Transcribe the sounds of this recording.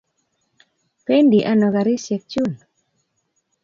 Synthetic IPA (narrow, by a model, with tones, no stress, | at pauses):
pe˦ndi˨ʔa˦nɔ˨ɡa˨ɾɪ˦se˨k̚t͡ʃu˦˨n